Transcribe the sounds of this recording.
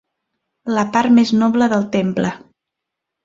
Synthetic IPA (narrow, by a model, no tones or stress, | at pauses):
ləpaɾmeznɔβləðəlˠt̪emplə